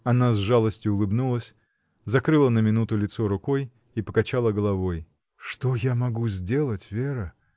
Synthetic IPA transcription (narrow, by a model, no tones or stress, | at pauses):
ɐnazʐalˠəsʲtʲjʊʊlˠɨbnulˠəsʲ | zɐkɾɨlˠənəmʲɪnut̪ʊlʲɪt̪soɾʊkoj | ipəkɐt͡ɕalˠəɡəlˠɐvo̞j | ʂt̪ojamɐɡuzʲdʲe̞lˠətʲvʲeɾə